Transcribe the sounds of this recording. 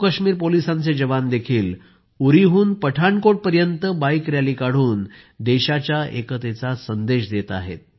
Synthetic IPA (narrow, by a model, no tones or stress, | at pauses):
kəɕmiːɾpolisãnt͡sed͡ʑəʋand̪ekʰiːl | uɾiɦuːnpəʈʰaɳkoʈ̚pəɾjənt̪əbaikɾjaliːkaɽ̤uːn | d̪eɕat͡ɕjaʔekət̪et͡sasənd̪eɕd̪et̪a̰ɦḛt̪̚